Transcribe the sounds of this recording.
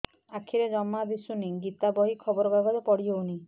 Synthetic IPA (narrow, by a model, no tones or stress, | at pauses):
akʰiɾed͡ʒɔmːab̪isuniɡit̪abɔɦikʰɔbɔɾɔbaɡaɾɔpɔɽiɔuni